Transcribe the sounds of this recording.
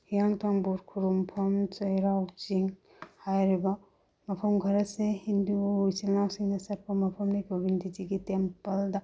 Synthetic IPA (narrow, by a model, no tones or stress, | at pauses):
hijaŋtʰaŋbuɾkʰuɾumpʰɐmt͡ʃɐjɾawt͡ʃiŋ | hajɾibɐ | mɐpʰɐmɡʱɐɾɐtsehinduujsilnawsiŋnɐsɐt̚pɐmɐpʰɐmnikobʱinditʰiɡitempɐldɐ